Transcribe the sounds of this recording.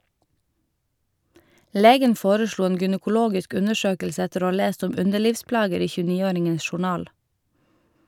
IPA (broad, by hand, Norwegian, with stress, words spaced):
ˈleːɡən ˈfoːɾəˌʃɭuː ˈeːn ɡʏnəkʊˈloːɡɪsk ˈʉnəˌʃøːkəlsə ˈɛtəɾ ˈoː ˈɑː ˈleːst ˈʊm ˈʉndəˌɭiːʋˌsplɑːɡəɾ ˈiː çʉːˈniːˌoːɾɪŋən ʃʊˈɳɑːl